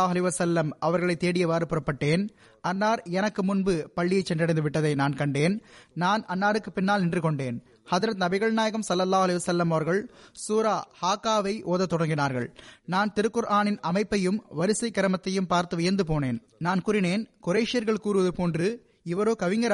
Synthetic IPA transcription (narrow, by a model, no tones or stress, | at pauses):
ɐlɐɪʋɐsɐlːɐmɐʋɐɾɣɐɭɐɪt̪ːeːɽɪjɐʋaːɾɯpɯɾɐpːɐʈːeːn | ɐnːaːɾɛnɐkːɯmʊnbɯpɐɭːɪjɐɪt͡ʃːɛndrɪɽɐɪnd̪ɯʋɪʈːɐðɐɪnaːnkɐɳɖeːnnaːnʔɐnːaːɾɯkːɯpɪnːaːlnɪndrɯkɔɳɖeːn | hɐðɪɾɐt̪nɐbɪɣɐɭnaːjɐɣɐmsɐlːɐlːaːhʊɐlɐɪʋɐsɐlːɐmɐʋɐɾɣɐɭsuːɾaːhaːkːaːʋɐɪʔoːðɐt̪ːɔɽɐŋɡɪnaːɾɣɐ̰ɭnaːnt̪ɪɾɯkːɯɾʔaːnɪnɐmɐɪpːɐjɯmʋɐɾɪsɐɪkːɐɾɐmɐt̪ːɐjɯmpaːɾt̪ɯʋɪjɐɾnd̪ɯpoːneːn | naːnkʊɾɪneːnkʊɾeɪʂɪjɐɾɣɐɭkuːɾɯʋɐðɯpoːndrɯ | ɪʋɐɾoːkɐʋɪŋɡɐɾ